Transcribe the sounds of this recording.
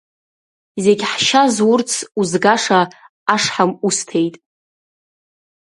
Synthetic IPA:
ze̞ɡʲħʃazwʊrt͡sʰuzɡaʂaː | ʂħamustʰe̞jtʼ

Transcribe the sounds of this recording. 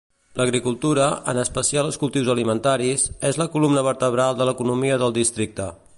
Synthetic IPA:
ləɣɾikulˠt̪uɾəʔə̰nəspəsialəskulˠt̪iwzəlimənt̪aɾizezləkulumnəβəɾt̪əβɾalˠd̪ələkunumiəðəlˠd̪ist̪ɾik̚t̪ə

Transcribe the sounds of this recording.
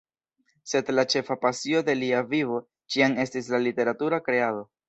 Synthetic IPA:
se̞dlat͡ʃe̞fapasio̞de̞liavivo̞ | t͡ʃiane̞stislalite̞ɾatuɾakɾe̞ado̞

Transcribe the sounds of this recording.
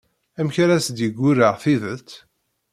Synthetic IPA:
æmçɾæsd̪jəɡʷːʊɾəʁθiðəðt̪

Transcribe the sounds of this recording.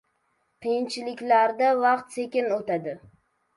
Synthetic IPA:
qʰɨjɪnt͡ʃʰɪlɪkʲlaɾd̪avɑqt̪se̞kʲɪnot̪ad̪ɪ

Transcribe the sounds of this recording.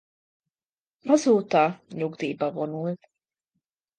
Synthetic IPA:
pazuːt̪aːɲʲuɡd̪iːbavɔnul

